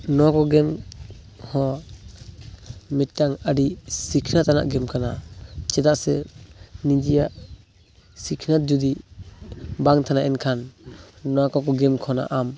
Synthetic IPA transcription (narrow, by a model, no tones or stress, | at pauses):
nɔwakɔɡɛm | hɔ | mɛttːaŋaɾisikʰnat̪ana̰ʔɡɛmkʰanat͡ʃɛd̪aʔsɛnid͡ʒijaʔ | sikʰnat̪̚d͡ʒud̪i | baŋt̪ʰanaʔɛnkʰanː | ɔwakɔkɔɡɛmkʰɔna̰ʔam